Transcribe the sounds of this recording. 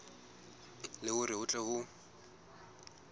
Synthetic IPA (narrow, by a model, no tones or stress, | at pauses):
lɪɣʊɾɪʊt͡ɬʼɛɣʊ